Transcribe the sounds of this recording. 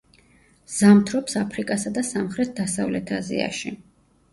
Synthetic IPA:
z̥amt̪ʰɾɔpsapʰɾikʼasad̪asamχɾɛt̪̚d̪asavlɛt̪ʰazḭa̰ʃḭ

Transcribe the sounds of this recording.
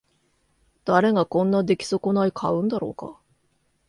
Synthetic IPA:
d̪̥aɾe̞ɡakõ̞nːad̪e̞kʲi̥so̞konaikʰaɯ̟̃nd̪aɾo̞̰ːka̰

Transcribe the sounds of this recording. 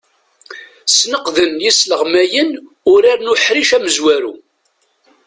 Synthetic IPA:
snəqðənjisləʁmæjən | ʊɾaɾnʊħɾiʃæməzwæɾṵ

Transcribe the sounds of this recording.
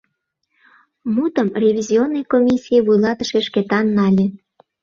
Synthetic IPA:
mut̪əmrʲevʲizʲionːɤjkomʲisʲijeβujlɑt̪əʃeʃket̪ɑnːɑlʲĕ

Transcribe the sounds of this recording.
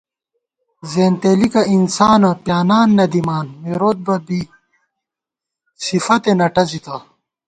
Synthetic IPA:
zeːnt̪eːlikɐinsaːnɐpjaːnaːnːɐd̪imaːnmeɾoːt̪̚bɐbi | sifɐt̪enɐʈɐzit̪ɐ

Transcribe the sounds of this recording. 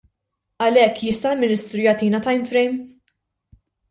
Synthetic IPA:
ɐlɛkːjɪst̪ɐlmɪnɪst̪ɾujɐt̪iːnɐt̪ɐjmfɾɛjm

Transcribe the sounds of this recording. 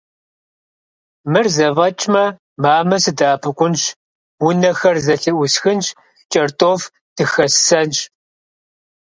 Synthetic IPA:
mɨrzɐvɐt͡ʃʼmɐ | maːmɐsɨdaːpʰɨkʷʊnɕ | wʊnɐxɐrzɐɬɨʔʷʊsxɨnʃ | t͡ʃʼɐrtʼoːf | d̥ʰɨxɐsːɐnɕ

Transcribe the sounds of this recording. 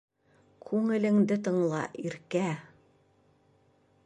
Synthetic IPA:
kʰʉŋɘ̆lɘ̆ŋd̪ɘt̪ɤ̆ɴlˠɑ̰ʔiɾkæ

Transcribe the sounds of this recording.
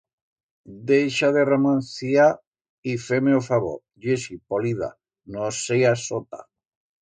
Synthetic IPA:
d̪ejʃaðeremãnθia | ifemeofaβo̰ | d͡ʒesipoliða̰ | nosejasot̪a̰

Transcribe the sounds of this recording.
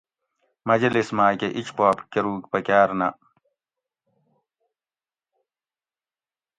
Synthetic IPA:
mɐd͡ʑɐlismaːkeʔit͡ɕpaːpkɐɾuːkpɐkaːɾnɐ

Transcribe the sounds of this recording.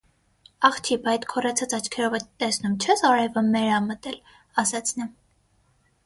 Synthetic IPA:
ɑχt͡ʃʰibɑjt̪kʰɔrɛt͡sʰɑt͡sɑt͡ʃʰkʰɛɾɔvɛt̪ɛsnumt͡ʃʰɛsɑɾɛvəmɛɾɑmət̪ɛl | ɑsɛt͡sʰnɛ

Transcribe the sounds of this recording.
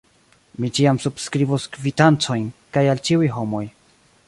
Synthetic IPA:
mit͡ʃiamsubskɾivuskvitant͡so̞jnkajalt͡ʃiujɦo̞mo̞j

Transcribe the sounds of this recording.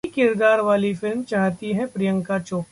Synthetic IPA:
ikɪɾd̪aːɾʋaːlifɪlmt͡ʃaːɦt̪iɦɛ̃pɾɪjə̃ŋkat͡ʃoː

